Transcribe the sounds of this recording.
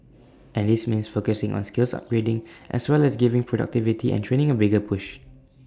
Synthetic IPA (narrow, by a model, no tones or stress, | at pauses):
ʔɛ̃ndismĩnsfokəsɪ̃ŋʔɔ̰̃nskɪlsa̰p̚ɡɹedɪ̃ŋʔɛ̰swɛlɛsɡivɪ̃ŋpʰɹɔda̰k̚tivitiʔɛ̰̃ntʰɹẽñɪ̃ŋəbɪɡəpʰʊʃ